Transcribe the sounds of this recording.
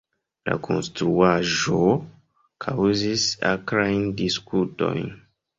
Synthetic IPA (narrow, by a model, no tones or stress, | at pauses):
la̰kʰo̞̰nstɾuaʒo | kʰawzisa̰kɾajndiskuto̞̰jn